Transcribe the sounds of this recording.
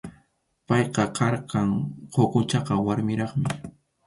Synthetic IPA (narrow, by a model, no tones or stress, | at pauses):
pɑjqɑkɑɾqɑŋqʰoqʊt͡ʃɑqɑwaɾmɪɾɑχmɪ